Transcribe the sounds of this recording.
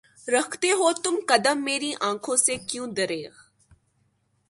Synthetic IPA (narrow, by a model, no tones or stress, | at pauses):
ɾɐkʰt̪eɦot̪ʊmkɐd̪əmːeːɾiʔãːkʰõsekjõːd̪ɐɾeːɣ